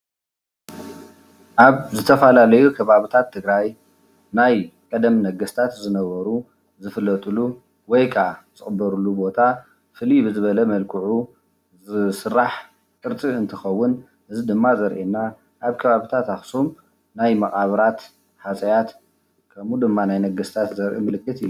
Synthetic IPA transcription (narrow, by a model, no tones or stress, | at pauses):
ʔaβzɨt̪ʰɐfalalɐjukʰɐβaβɨt̪ʰat̪ʰːɨɡɾaj | najkʼɐd̪ɐmnɐɡɐst̪ʰat̪zɨnɐβɐɾu | zɨfɨlːɐt̪ʼɨlu | wɔjkʰʼat͡sʼɨχʼbɐɾulːubo̞t̪ʰa | fɨlibɨzɨβɐlɐmɐlkʰɨʕu | sɨrːaħ | kʼɨɾt͡sʼiɨnt̪ʰɨxɐwːʊn | ʔɨzid̪ɨmːazɐɾʔenːa | ʔaβkʰɐβaβit̪ʰat̪axsum | najmɐxʼaβɾat̪ | ħat͡sʼɐjat̪ | kʰɐmud̪ɨmːanajnɐɡɐst̪ʰat̪zɐɾʔḭmɨlɨkːɨt̪ɨjːu